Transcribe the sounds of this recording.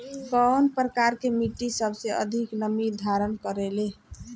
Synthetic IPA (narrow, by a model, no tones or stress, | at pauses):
kənpɾəkaɾkemiʈːisəbseʔə̰d̪ʱiknəmid̪ʱaɾənkəɾele